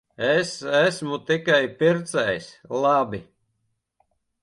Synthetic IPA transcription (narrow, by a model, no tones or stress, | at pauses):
esæsmut̪ikajpiɾt̪sɛjslˠabi